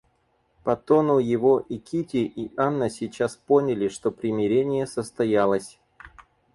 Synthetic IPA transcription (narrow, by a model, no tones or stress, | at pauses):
pɐt̪o̞nʊjɪvo̞ʔikʲitʲɪʔianːəsʲɪt͡ɕaspo̞nʲɪlʲɪʂt̪o̞pɾʲɪmʲɪɾʲenʲɪjəsəst̪ɐjalˠəsʲ